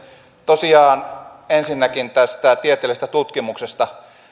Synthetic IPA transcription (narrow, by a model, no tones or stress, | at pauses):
t̪osiɑːnensinːækint̪æst̪æt̪iet̪ˑeˑlst̪æt̪ut̪kimuksest̪ɑ